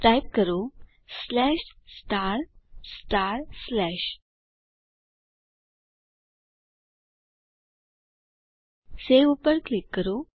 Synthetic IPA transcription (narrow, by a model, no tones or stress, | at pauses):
ajp̚kəɾo | slɛɕsʈaɾsʈaɾslɛɕ | seʋupəɾklikːəɾo